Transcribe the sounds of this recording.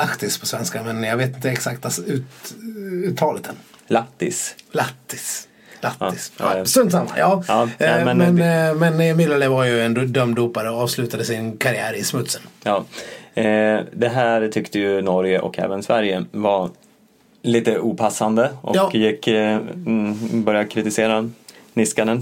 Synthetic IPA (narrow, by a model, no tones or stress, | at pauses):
lakt̪ɪspʰɔsvɛnskamɛnjɑɡveːt̪ɪnt̪əɛksakt̪aʉ̟ːt̪ | ʉːt̪ʰɑːlət̪ʰɛnlakt̪ːɪ̰slat̪ːɪs | latːɪssɵnt̪sama̰jɑːɑːnɛmɛnmnmɛnmɪlːələvaɾjɵɛnd̪œmd̪uːpaɾəɔɑːvslʉ̟ːt̪ad̪əsɪnkʰaɾɪæːɾɪsmɵt̪sənjɑː | d̪ɛɦæːɾt̪ʰʏkt̪əjɵnɔɾjəʔɔ̰kʰɛ̰ːvənsvæɾjəvaɾ | liːt̪əʔuːpʰasːand̪əʔɔ̰jɪkː | bœɾjakʰɾɪt̪ɪseːɾanɪskanən